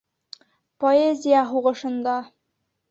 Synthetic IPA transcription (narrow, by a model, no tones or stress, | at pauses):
poezʲijaɦuʁɤ̆ʃɤ̆nd̪ɑ